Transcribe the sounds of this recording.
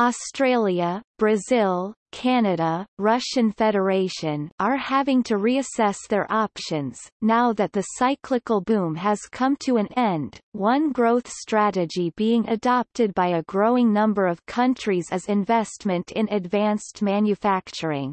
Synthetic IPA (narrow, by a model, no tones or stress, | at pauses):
ɔstɹ̥eɪlˠjəb̥ɹɨzɪlˠkʰænɨɾəɹʌʃɨ̃nfɛɾə˞eɪʃɨ̃nʔə˞hævɪ̃ŋtʰɨɹiɨsɛsðə˞ʔɑpʃɨ̃nz̥naʊðɨt̪̚ðɨsaɪkʰlɨkl̩ˠbũmɨz̥kʰʌ̃mtʰɨɨ̃nɛ̃nd̥wʌ̃nɡɹoʊθstɹ̥æɾɨd͡ʒibiɪ̃ŋɨ̰dɑp̚tɨd̚baɪɨɡɹoʊɪ̃ŋnʌ̃mbə˞ʌv̥kʰʌ̃nt͡ʃɹ̥izɨzɨ̃ɱvɛstmɨ̃ntʰɨ̃nɨdvæ̃nstmæ̃njɨfæk̚t͡ʃə˞ɪ̰̃ŋ